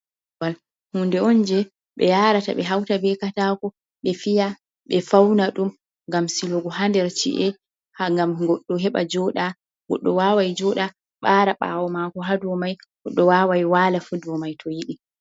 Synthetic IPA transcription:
wal | hundɛɔnd͡ʒɛ | ɓɛ̰jaɾata̰ɓɛɦawtabɛkatakɔ | ɓɛfija | ɓɛfawnaɗum | ɡamsiloɡɔɦandɛɾt͡ʃḭʔɛ | haŋɡamɡɔɗːɔɦɛɓa̰d͡ʒɔɗa | ɡɔ̰ɗːɔwawajd͡ʒɔɗa | ɓaːɾaɓa̰ːwɔmakɔɦaduwɔmajɡɔɗːɔwawajwalafudwɔmajtʰɔjiɗi

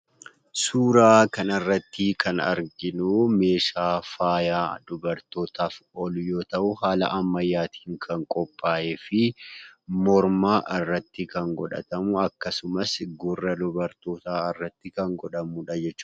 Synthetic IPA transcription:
suːɾaːkɐnɐrːɐt̪ːɪkʰɐnɐ̰ɾɡɪnuːme̞ːʃaːfaːjaːd̪ʊbɐɾt̪o̞ːt̪aːfɔlʊjo̞ːt̪ɐʔʊhaːlɐ̰ʔɐmːɐjːaːt̪ʰi̥ːŋkʰɐŋkʼɔpʼːaːʔeːfɪ | mɔɾmaːʔɪrːɐt̪ːɪkɐŋɡɔᶑɐ̰t̪ɐmʊɐkːɐsʊmɐsɡʊrːɐlʊbɐɾt̪oːt̪aːɪrːɐt̪ːɪkɐŋɡɔᶑɐmuːᶑɐd͡ʒɛt͡ʃːuː

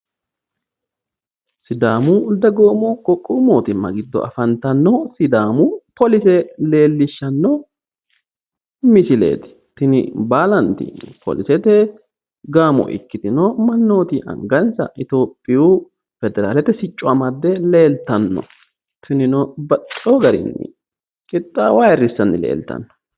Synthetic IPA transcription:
sɪd̪aːmʊːd̪ɐɡoːmɔkʼɔkʼːʊmoːt̪ɪmːɐ̰ɡɪd̪ːɔ̰ʔɐ̰fɐnt̪ɐnːɔsɪd̪aːmʊpɔlɪsɛle̞ːlːɪʃːɐnːɔ | mɪsɪlḛːt̪ɪ̥ | t̪ɪnɪ̰baːlɐnt̪ɪ̰pʰɔ̰lɪsɛt̪ɛ | ɡaːmɔ̰ʔɪ̰kːɪd̪ɪnɔmɐnːo̞ːt̪ɪʔɐ̰ŋɡɐnsɐ̰ʔɪt̪o̞ːpʼːɪju | fɛd̪ɛɾaːlɛt̪ːɛsɪt͡ʃʼːɔɐmɐd̪ːɛleːlt̪ɐnːɔ̰ | t̪ɪnɪnɔbɐtʼːoɡɐɾɪ̰nːɪ̰ | kʼɪt̪ʼːawaːjɛrːɪsːɐnːɪ̰lḛːlt̪ɐ̰nːɔ̥

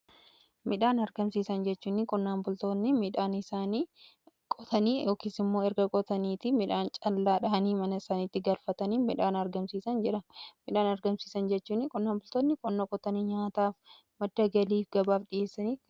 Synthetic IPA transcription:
mɪᶑaːnɐɾɡɐmsiːsɐnd͡ʒɛt͡ʃːuːnːɪkʼɔnːaːnbʊlt̪oːnːɪmɪᶑaːnɪsaːni | kʼɔt̪ʰɐniːjo̞ːkiːsɪmːoːɛɾɡɐkʼɔt̪ɐniːt̪ɪmɪᶑaːnt͡ʃʼɐlːaːᶑɐɐniːmɐnɐɪsaːniːt̪ːɪɡɐlfɐt̪ɐniːmɪᶑaːnɐɾɡɐmsiːsɐnd͡ʒɛᶑɐmɪᶑaːnɐɾɡɐmsiːsɐnd͡ʒɛt͡ʃːuːnːɪkʼɔnːaːnbʊlt̪oːnːɪkʼɔnːɐkʼɔt̪ɐniːɲaːt̪aːf | mɐd̪ːɐɡɐliːfɡɐbaːfᶑɪje̞ːsːɐniː

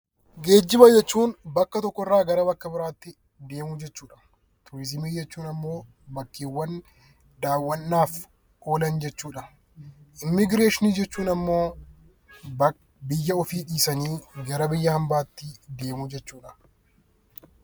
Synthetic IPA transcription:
ɡe̞ːd͡ʒːɪbɐjɛt͡ʃːuːnbɐkːɐt̪ɔkːɔɪrːaːɡɐɾɐbɐkːɐbɪɾaːt̪ːɪ | d̪e̞ːmʊd͡ʒɛt͡ʃːuːᶑɐ̥ | t̪ʊɾɪzɪmiːd͡ʒɛt͡ʃːuːnɐmːo̞ː | bɐkːiːwːɐn | d̪aːwːɐnːaːf | ʔo̞ːlɐnd͡ʒɛt͡ʃːuːᶑɐ | ʔɪmːɪɡɾe̞ːʃɪniːd͡ʒɛt͡ʃːuːnɐmːo̞ː | bɪjːɐɔfiːᶑiːsɐniːɡɐɾɐbɪjːɐhɐmbaːt̪ːɪd̪e̞ːmʊd͡ʒɛt͡ʃːuːᶑɐ̥

